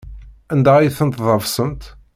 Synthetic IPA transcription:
ænd̪æijθənt̪ðˤɑvsənt̪

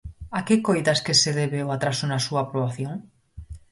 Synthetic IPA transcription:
akekojðaskeseðeβeoat̪ɾasonasuaːpɾoβ̞aθjoŋ

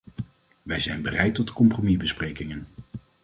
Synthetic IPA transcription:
ʋɛjzɛjnbərɛjtɔtkɔmpromibəsprejkɪŋən

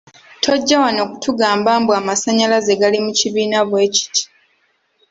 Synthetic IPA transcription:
tʰo̞ɟːawano̞ku̥tʰuɡaːmbaːmbwamasaɲalaze̞ɡalimuciβiːnaβwe̞ːci̥ti̥

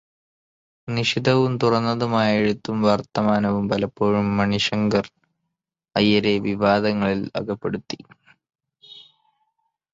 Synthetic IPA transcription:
niʂid̪ʱɐʋumt̪urɐnːɐðumaːjeɻut̪ːumʋɐrt̪ɐmaːnɐʋumpɐlɐpːoːɻumːɐɳiʂɐŋɡɐr | ɐjːɐɾe̞ʋiʋaːd̪ɐŋːɐɭilɐ̰ɡɐpːe̞ɽut̪ːi

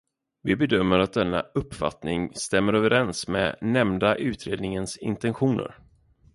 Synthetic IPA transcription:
vɪbɛd̪œmːəɾat̪̚d̪ɛnːa̰ɵpːfa̰t̪nɪŋst̪ɛmːəɾøːvəɾɛnsmɛ̰ːnɛmd̪aʔʉ̟ːt̪ɾeːd̪nɪŋənsɪ̰nt̪ɛnɧuːnə̰ɾ

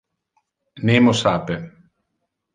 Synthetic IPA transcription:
nemosaːpe

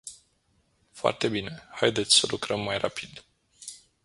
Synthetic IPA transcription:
foa̰rt̪e̞bine̞hajd̪et̪sʲsəlukɾəmːajrapid̪

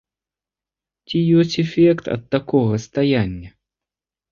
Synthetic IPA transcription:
t͡sʲijɔsʲt͡sʲɛfʲɛkt̪ɐ̰t̪̚ːakɔɣɐst̪ajanʲːɐ

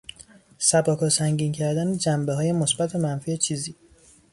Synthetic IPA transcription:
sæbɒːkʰɒsæŋɟiːncʰæɾd̪æned͡ʒæmbeɦɒːje̞mosbæt̪ʰemænfiːet͡ʃʰiːziː

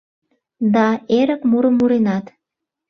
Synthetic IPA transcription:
d̪ɑeɾə̆kmuɾə̆mːuɾenɑt̪

